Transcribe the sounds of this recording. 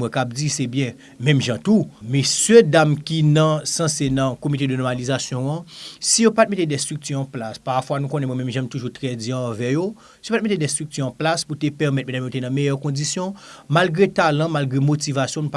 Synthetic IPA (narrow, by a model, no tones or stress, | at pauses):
mwɛ̃kab̚d͡zisɛbjɛ̃ | mɛ̃mʒãtumɛsødamkinɐ̃sɐ̃senɐ̃komitedənɔmalizasjɔ̃ãsijopat̚metedɛst̪ʁyk̚tyʁɐ̃plaspaʁfwanũkõnɛmwɛmɛ̃mʒãmtuʒutʁɛd͡zjɛ̃ãvɛjo | sijopat̚metedɛst̪ʁyk̚t̪yʁɐ̃plasputepɛʁmɛt̪̚mɛ̃damjotenɐ̃mejœʁkɔ̃disjɔ̃malɡʁetalɐ̃malɡʁemotivasjɔ̃nũp